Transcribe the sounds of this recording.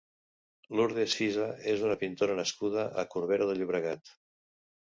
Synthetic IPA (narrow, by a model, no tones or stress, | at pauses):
luɾðesizaezunəpint̪oɾənəskuð̞əʔːkuɾβeɾəðəʎuβɾəɣat̪